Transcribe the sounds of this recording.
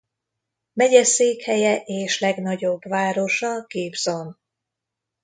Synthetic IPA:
mɛɟɛseːkhɛjɛʔeːʃlɛɡnɒɟo̞bvaːɾo̞ʃɒkeːbzo̞n

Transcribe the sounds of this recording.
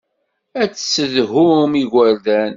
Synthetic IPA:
æt͡sːə̥sːəðɦʊmiʝʷæɾðæn

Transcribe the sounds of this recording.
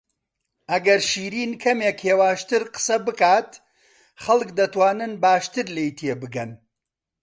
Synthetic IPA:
ʔɐɡɐɾʃiːɾiːnkʰɐmeːkheːwaːʃt̪ɨɾqə̥sɐbɨkaːt̪ | χɐlˠkd̪ɐt̪waːnɨnbaːʃt̪ɨɾlejt̪ʰeːbɨɡɐn

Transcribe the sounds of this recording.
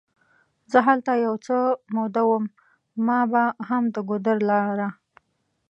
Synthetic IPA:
zəɦalt̪ajawt͡səmod̪awəmː | ɑbaɦamd̪əɡʊd̪əɾlɑɾa

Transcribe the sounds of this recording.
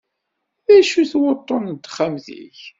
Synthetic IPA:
ðæʃuθwʊt̪ˤːənd̪χamðḭç

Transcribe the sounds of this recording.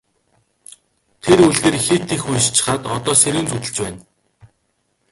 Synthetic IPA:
t̪ʰeɾuɮɣeːrxet̪ʰːixunʃt͡ɕɪ̥̆χaːt̪ɔt̪ɔːseɾuːnt͡sut̪ɘ̆ɮt͡ɕpæːn

